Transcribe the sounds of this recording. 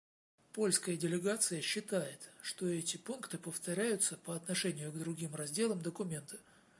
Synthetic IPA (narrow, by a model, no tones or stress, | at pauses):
po̞lʲskəjədʲɪlʲɪɡat̪sɨjəɕːɪt̪ajɪt̪ʂt̪oɛtʲɪpunkt̪ɨpəft̪ɐɾʲæjʊt̪səpəɐt̪nɐʂɛnʲɪjʊɡd̪ɾʊɡʲimrɐzʲdʲe̞lˠəmd̪əkʊmʲe̞nt̪ə̥